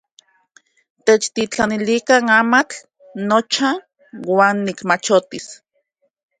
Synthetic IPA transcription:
t̪et͡ʃt̪it͡ɬanilikanamat͡ɬ | not͡ʃa | waːnːikmat͡ʃot̪is

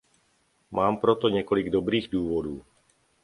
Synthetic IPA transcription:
maːmpɾɔt̪ɔɲɛkɔliɡd̪ɔbɾiːɣd̪uːʋɔd̪uː

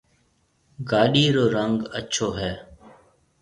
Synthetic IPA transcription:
ɡaːɗiːɾoːɾəŋɡət͡ʃʰoːɦɛː

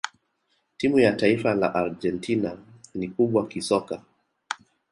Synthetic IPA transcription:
timujataifala̰ʔaɾd͡ʒɛntʰina | nikuɓwakisɔka

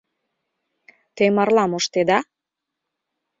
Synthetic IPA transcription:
t̪emɑrlɑmoʃt̪ed̪ɑ

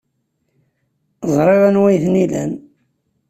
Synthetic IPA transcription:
zˤɾˤeɾænwæjθnilæ̰n

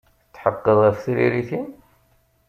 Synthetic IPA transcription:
t͡sːħəqːəðˤæθθɾḭɾiθin

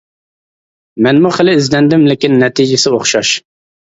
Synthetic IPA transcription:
mɛnmuχəlɪːzlɛnd̪ɪmlɪkʲɪnːɛt̪ʰid͡ʒɪsɪoχʃɑʃ

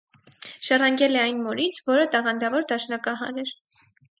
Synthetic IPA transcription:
ʃɑrɑŋɡɛlɛɑjnmɔɾit͡sʰvɔɾət̪ɑʁɑnd̪ɑvɔɾd̪ɑʃnɑkɑɦɑ̰ɾɛɾ

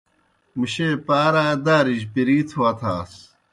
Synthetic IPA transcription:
muɕepaːɾaːed̪aːɾiʑpiɾiːt̪ʰuaːt̪ʰaːs

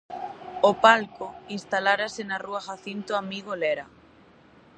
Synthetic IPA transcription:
opalkoinst̪alaɾasenaruaxaθint̪oamiɣolɛɾa

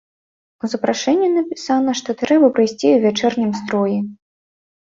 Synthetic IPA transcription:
uzɐpɾaʂɛnʲːinɐpʲisanɐʂt̪ɔt̪ɾɛbɐpɾɨjsʲt͡sʲiuvʲat͡ʂɛrnʲɐmst̪ɾɔji

